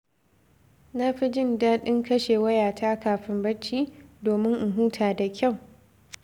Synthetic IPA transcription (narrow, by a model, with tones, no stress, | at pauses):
na˦ɸɪ˦d͡ʒɪ˦˨nda˦ɗɪ˦ŋkɐ˦ʃeː˨wɐ˦jaː˨tʰaː˦kaː˨ɸɪ˦mbɐ˦t͡ʃːiː˦doː˨mɪ˦ŋʔŋ˨ɦuː˦tʰaː˨da˨kʲʰa˦˨w